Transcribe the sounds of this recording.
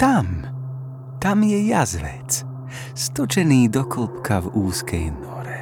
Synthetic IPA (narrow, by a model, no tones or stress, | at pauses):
t̪am | t̪amjɛjazʋɛ̰t͡s | st̪ɔt͡ʃɛniːd̪ɔkɔlpkʰavuːskʰɛ̰jnɔɾɛ